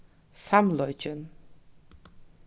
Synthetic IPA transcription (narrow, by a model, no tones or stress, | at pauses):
samlɔjd͡ʒən